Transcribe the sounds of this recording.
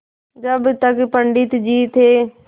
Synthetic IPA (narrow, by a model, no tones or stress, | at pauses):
d͡ʒəbt̪əkpəɳɖɪt̪d͡ʒiːt̪eː